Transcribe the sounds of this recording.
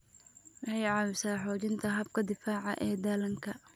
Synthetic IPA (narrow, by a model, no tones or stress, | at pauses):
wɑħɑjʕɑːwɪsaːħɔːt͡ʃɪnt̪ʰɐɦɐb̚kʰɐd̪ɪfaːʕɑ̰ʔɛːd̪ɐlɐŋkʰɐ